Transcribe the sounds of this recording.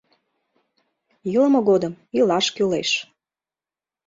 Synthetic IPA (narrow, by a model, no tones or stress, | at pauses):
jələ̆moɣod̪əmilɑʃkyleʃ